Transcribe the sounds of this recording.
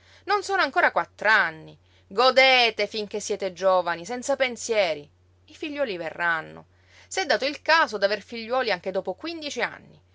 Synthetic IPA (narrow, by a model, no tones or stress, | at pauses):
nonsoːnoaŋkoːɾakwat̪ːɾanːi | ɡod̪eːt̪efiŋk̟esːjɛːt̪ed͡ʒoːvanisɛnt̪sapensjɛːɾi | ifiʎːwɔːliverːanːo̰ | sɛd̪ːaːt̪oilkaːzod̪averfiʎːwɔːliaŋk̟ed̪oːpokwind̪it͡ʃia̰nːi